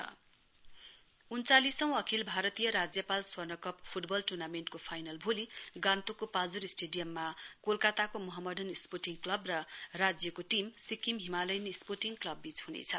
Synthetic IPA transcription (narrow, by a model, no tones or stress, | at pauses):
ʌ | unt͡salisʌ̃w̃ʌkʰilbʱaɾʌt̪ijʌɾad͡zjʌpalswʌrnʌkʌp̚pʰuʈbʌlʈurnamenʈkopʰajnʌlbʱoliɡãnt̪okopald͡zuɾisʈeɖijʌmːakolkat̪akomʌɦʌmːʌdʱʌnisporʈiŋklʌbrʌrad͡zjʌkoʈimsikimɦimalʌjnisporʈiŋklʌbːit͡shunḛt͡sʰʌ